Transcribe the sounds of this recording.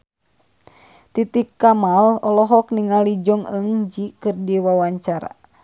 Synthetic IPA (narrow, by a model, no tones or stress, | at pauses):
t̪it̪ikːamalɔlɔɦɔkniŋalid͡ʒɔŋəŋd͡ʒikɨrdiwawaɲt͡ʃaɾa̰